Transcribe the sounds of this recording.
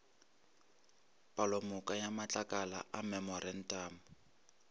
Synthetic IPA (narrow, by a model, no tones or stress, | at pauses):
pʼalɔmʊkʼajamat͡ɬʼakʼala̰ʔamɛmɔrɛn̩tʼaːmʊ